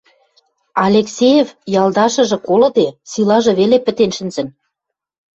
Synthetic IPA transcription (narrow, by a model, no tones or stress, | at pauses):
ɑlʲeksʲejefjɑld̪ɑʃɤ̆ʒɤ̆kolɤ̆d̪esilɑʒɤ̆βelepɘ̆t̪enʃɘ̆nzə̆n